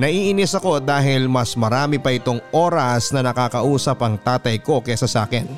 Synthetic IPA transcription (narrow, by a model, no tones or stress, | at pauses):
nɐʔiːʔɪnɪsɐko̞d̪aːɦɪlmɐsmɐɾaːmɪpɐʔɪt̪o̞ŋʔoːɾɐsnɐnɐkaːkɐʔuːsɐpɐŋt̪aːt̪ɐjko̞kɐsɐsa̰ːkɪn